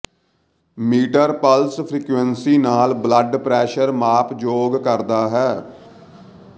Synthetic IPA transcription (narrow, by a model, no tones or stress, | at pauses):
miːʈəɾpəlspʰɾiːkʋɛnsiːnaːlbləɖpɾɛːʃəɾmaːpd͡ʒoːɡkəɾd̪aːɦɛː